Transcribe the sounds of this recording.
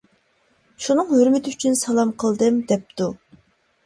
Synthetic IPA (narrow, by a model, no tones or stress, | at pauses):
ʃunɨŋhøɾmɪt̪ʰɪyt͡ʃʰynsɑlˠɑmqʰəlˠd̪ɨmd̪ɛp̚t̪u